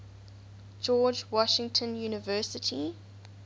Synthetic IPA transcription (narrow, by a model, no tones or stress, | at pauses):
d͡ʒɔːd͡ʒwɔʃɪ̃ŋtʰə̃njuːnɪvɜˑsɪtʰi